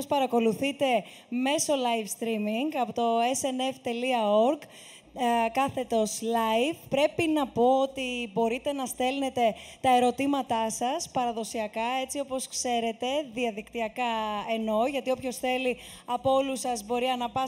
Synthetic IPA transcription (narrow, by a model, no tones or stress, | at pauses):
spɐɾɐko̞luθit̪e̞ | me̞so̞lɐjfst̪ɾimiŋɡɐpot̪o̞eseneft̪e̞liɐo̞ɾk | kɐθe̞t̪o̞slɐjfpɾe̞pinɐpo̞ot̪ibo̞ɾit̪e̞nɐst̪e̞lne̞t̪e̞t̪ɐe̞ɾo̞t̪imɐt̪ɐsɐspɐɾɐðo̞siɐkɐe̞t͡sio̞po̞skse̞ɾe̞t̪e̞ðiɐðikt̪iɐkɐe̞no̞ʝɐt̪io̞pço̞sθe̞li | ɐpoo̞lusɐzbo̞ɾiɐnɐpɐ